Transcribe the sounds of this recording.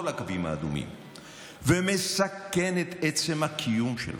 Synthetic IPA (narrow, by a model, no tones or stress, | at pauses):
olakavima̰ːd̪umḭm | vemesakenet̪et͡se̞mhakʰijumʃḛl